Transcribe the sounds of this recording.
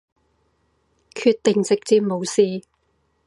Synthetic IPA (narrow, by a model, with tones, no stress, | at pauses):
kʰyː˧t̪̚ɪ˨˩ŋt͡sɪ˨k̚t͡siː˧mo˨˧wsiː˨˧